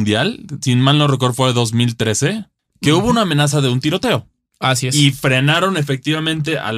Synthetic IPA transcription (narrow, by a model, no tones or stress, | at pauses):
nd̪jalsinmalnorek̬oɾfweðo̞zmilt̪ɾe̞se̞ | ke̞uβo̞unaːmenas̬aðe̞unt̪iɾo̞t̪e̞o̞ | asieifɾe̞naɾo̞ne̞fe̞k̚t̪iβamẽ̞nt̪e̞ʔa̰